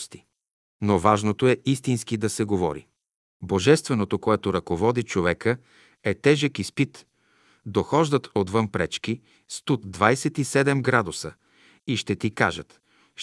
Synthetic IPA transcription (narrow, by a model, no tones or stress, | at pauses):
st̪i̥ | novaʒnot̪oɛist̪inskid̪ɐsɛɡovɔ̰ɾḭ | boʒɛst̪vɛnot̪okoɛt̪oɾɐkovɔd̪it͡ʃovɛkə | ɛt̪ɛʒəkispit̪ | d̪oxɔʒd̪ət̪ot̪vɤnpɾɛt͡ʃki | st̪ut̪d̪vajsɛt̪isɛd̪ɛmɡɾad̪ʊsə | iʃt̪ɛt̪ika̰ʒət̪